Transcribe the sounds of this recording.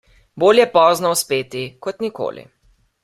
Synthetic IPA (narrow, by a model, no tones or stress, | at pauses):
boːljɛpɔːznɔwspeːt̪ikɔt̪niko̰ːlḭ